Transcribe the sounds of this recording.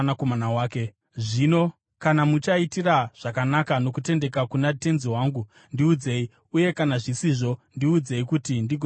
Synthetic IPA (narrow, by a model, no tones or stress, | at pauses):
nakomanawaːke | ʐino̞ | kanamut͡ʃaitiraʐ̥akanakano̞kute̞nde̞kakunate̞nziwaːŋɡu | ndiud͡ze̞i | uje̞kanaʐisiʐo̞ndiud͡ze̞ikutindiɡ